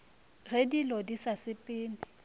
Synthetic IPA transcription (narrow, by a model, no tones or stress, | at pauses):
ɣedilɔdisasɪpʼɪːnɪ